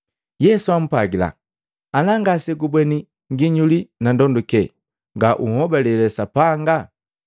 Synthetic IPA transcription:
jɛsuam̩paɡila̰ | alaŋɡasɛɡubwɛni | ŋɡiɲulinandɔndukɛ | ŋɡaʔuhɔbalɛlɛsapaŋɡa

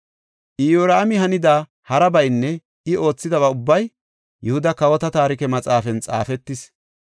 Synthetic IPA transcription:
ʔɪjoːɾaːmɪɦɐnɪd̪aː | hɐɾɐbɐjnːɛ | ʔɪo̞ːt͡sːɪd̪ɐβɐʊbːɐj | jʊhʊd̪ɐkɐwɔt̪ɐt̪aːɾɪkɛmɐt͡sʼaːfɛnt͡sʼa̰ːfɛt̪ːɪs

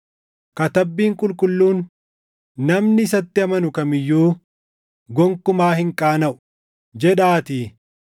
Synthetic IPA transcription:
kɐt̪ɐbːiːŋkʼʊlkʼʊlːuːnː | ɐmnɪːsɐt̪ːɪɐmɐnʊkɐmɪjːuː | ɡɔŋkʊmaːɦɪŋkʼaːnɐʔʊ̥ | d͡ʒɛᶑaːt̪iː

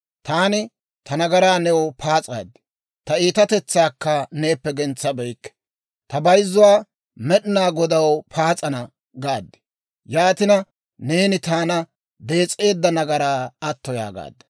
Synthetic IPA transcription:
t̪aːnɪ | t̪ʰɐnɐɡɐɾaːnɛwɔpʰaːt͡sʼa̰ːd̪ːɪ̥ | t̪ɐiːt̪ɐt̪ɛt͡sːaːkːɐne̞ːpːɛɡɛnt͡sːɐbɛjkːɛ̥ | t̪ɐbɐjzːʊwaː | mɛɗɪnaːɡɔd̪ɐwpʰaːt͡sʼɐnɐ | ɡaːd̪ːɪ̥ | jaːt̪ɪnɐ | ne̞ːnɪt̪aːnɐ | d̪e̞ːt͡sʼːe̞ːd̪ːɐnɐɡɐɾaːɐt̪ːɔja̰ːɡa̰ːd̪ɛ̥

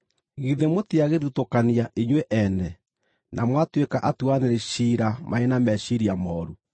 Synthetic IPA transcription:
ɣiðemotiaɣeðutokaniaʔiɲwɛʔɛnɛ | nʔamwatwekaʔatuaneɾeʃiɾamʔaenamɛɕiɾiamɔːɾu

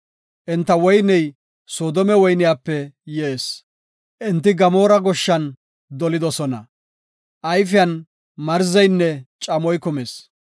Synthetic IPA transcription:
ʔɪnt̪ːɐwɔjnɛj | soːd̪ɔmɛwɔjnɪjaːpːɛjɛʔeːs | ʔɪnt̪ːɪɡɐmo̞ːɾɐɡɔʃːɐn | d̪ɔlɪd̪ɔsɔnɐ̰ | ʔɐjfɪjɐn | mɐɾzɐjnːɛt͡ʃʼɐmɔjkʊmeːs

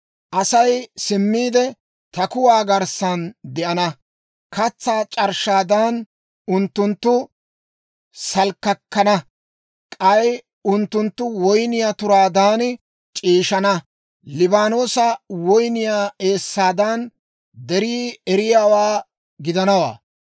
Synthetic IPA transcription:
ʔɐsɐjsɪmːiːd̪ɛ | t̪ɐkʊwaːɡɐɾsɐnd̪ɛʔɐnɐ | kɐt͡sːaːt͡ʃʼɐɾʃaːd̪an | ʊnt̪ːʊnt̪ːʊ | sɐlkːɐkːɐnɐ | kʼɐj | ʊnt̪ːʊnt̪ːʊwɔjnɪjaːt̪ʊɾaːd̪aːn | t͡ʃʼiːʃɐnɐ | lɪbaːno̞ːsɐwɔjnɪjaːe̞ːsːaːd̪ɐn | d̪ɛɾiːɛɾɪjaːwaː | ɡɪd̪ɐnɐwa̰ː

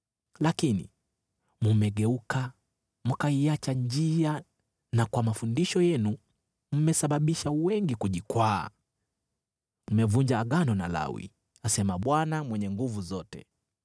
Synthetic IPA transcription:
lakinḭ | mumɛɠɛuka | mukaiat͡ʃand͡ʒia | nakwamafundiʃɔjɛnu | m̩mɛsaɓaɓiʃawɛŋɡikuʄikwa̰ː | m̩mɛvuɲd͡ʒaːɠanɔnala̰wḭ | asɛmaɓwanamwɛɲɛŋɡuvuzɔtɛ̰

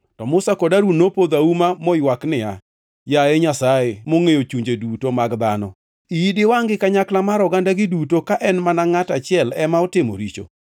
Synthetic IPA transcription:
tɔmʊsakodaɾunopod̪aumamɔjwaknɪa̰ | jaɛɲasaemoŋejot͡ʃuɲd͡ʒedutomaɡd̪anɔ̰ | iidɪwaŋɡɪkaɲaklamaɾɔɡandaɡɪdutokaʔɛnmanaŋatat͡ʃɪɛlɛmaɔtɪmo̰ɾit͡ʃo̰

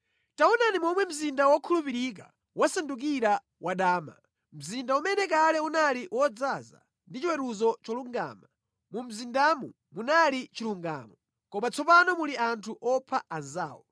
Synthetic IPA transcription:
taunanimɔmwɛm̩zindawɔkʰulupiɾik̬a̰ | wasanduk̬iɾa | waɗaːma̰ | m̩zindaumɛnɛk̬alɛunaliwɔd͡zaza̰ | ndit͡ʃwɛɾuzɔt͡ʃɔluŋɡa̰ːma | mum̩zindamu | munalit͡ʃiluŋɡa̰ːmɔ | kɔmat͡sʰɔpanɔmuliantʰuʔɔpʰaanza̰ːwɔ

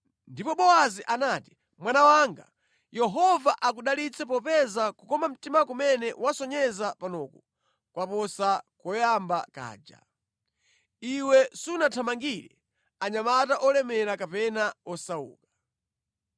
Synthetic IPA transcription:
ndipɔɓɔaziʔanati̥ | mwanawaŋɡa̰ | jɛɦɔvaʔakuɗalit͡sʰɛpɔpɛzakukɔmam̩timakumɛnɛwasɔɲɛzapanɔku | kwapɔsakɔjambaka̰ːd͡ʒa̰ | iwɛsunatʰamaŋɡiɾɛ̰ | aɲamataʔɔlɛmɛɾakapɛnaɔsaṵːkḁ

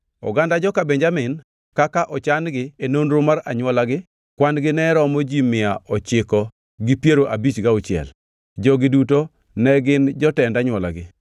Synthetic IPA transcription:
ɔ̰ɡandad͡ʒɔkabeɲd͡ʒamɪn | kakaʔɔt͡ʃanɡɪenonɾʊmaɾa̰ɲwɔlaɡɪ | kwanɡɪnɛɾɔmɔd͡ʒimɪaɔt͡ʃɪkɔ | ɡɪpjeɾoʔabit͡ʃɡaʊt͡ʃjɛ̰l | d͡ʒɔɡɪduto | nɛɡɪnd͡ʒɔtɛndaɲwɔla̰ɡɪ

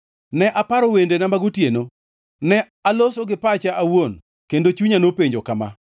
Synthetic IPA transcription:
nɛʔapaɾowendenamaɡutjeno | nɛ | alosoɡɪpat͡ʃaawon | kendot͡ʃuɲanopeɲd͡ʒokama̰

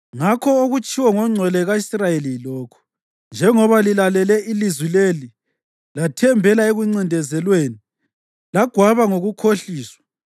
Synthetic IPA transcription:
ŋakʰɔoɣut͡ʃʼʰiwɔŋɔŋ͡ǀʱɛlɛɣaisrajelilɔːkʰɔ̥ | nd͡ʒʱɛŋɔβalilalɛlɛʔilizwileli | latʰɛmbʱɛlaeɣuŋ͡ǀindʱɛzɛlweːni | laɡ̥ʱwaβaŋoɣukʰoɬiːswḁ

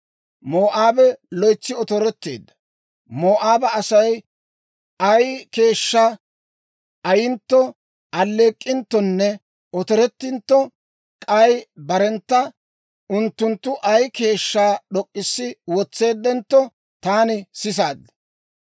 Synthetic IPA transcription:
moːʔaːbɛlɔjt͡sːɪɔt̪ɔɾɛt̪ːeːd̪ːɐ | moːʔaːbɐɐsɐj | ɐjke̞ːʃːa | ʔɐjɪnt̪ːɔ | ɐlːe̞ːkʼːɪnt̪ːɔnːɛ | ɔt̪ɔɾɛt̪ːɪnt̪ːɔ | kʼɐjbɐɾɛnt̪ːɐ | ʊnt̪ːʊnt̪ːʊʔɐjke̞ːʃːaːɗɔkʼːɪsːɪwɔt͡sːe̞ːd̪ːɛnt̪ːɔ | t̪aːnɪsɪs̬aːd̪ːɐ̥

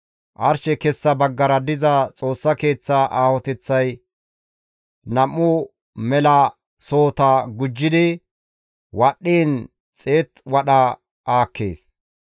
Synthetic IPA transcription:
ʔɐɾʃɛkɛsːɐbɐɡːɐɾɐd̪ɪzɐt͡sʼo̞ːsːɐke̞ːt͡sːaʔaːhɔt̪ɛt͡sːɐj | nɐmːʊ | mɛlɐ | so̞ːt̪ɐɡʊd͡ʒːɪd̪ɪ | wɐɗːiːn | t͡sʼe̞ːt̪wɐɗɐ | aːkːe̞̰ːs

